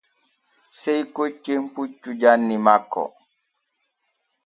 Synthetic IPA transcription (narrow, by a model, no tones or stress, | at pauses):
sɛjkot͡ʃːemput͡ʃːud͡ʒanːimakːɔ̰